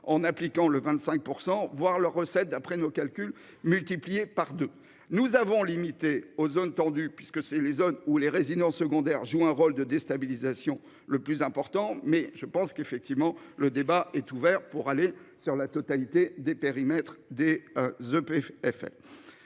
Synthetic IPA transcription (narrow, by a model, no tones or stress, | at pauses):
ɑ̃naplikɑ̃ləvɛ̃t̪sɛ̃k̚puʁsɑ̃vwaʁləʁːəsɛt̪̚d̪apχɛnokalkʲyl | mylt̪iplijepaʁd̪ø | nuzavɔ̃limit̪eozont̪ɑ̃d̪ypɥiskəsɛlezonuleʁezid̪ɑ̃səɡɔ̃d̪ɛʁʒuɛ̃ʁold̪əd̪est̪abilizasjɔ̃ | ləplyzɛ̃pɔʁt̪ɑ̃mɛʒəpɑ̃skefɛk̚t̪ivmɑ̃ləd̪ebaʔɛt̪uvɛʁpuʁalesyʁlat̪ɔt̪alit̪ed̪epeʁimɛt̪χd̪ezøpeɛfɛ̰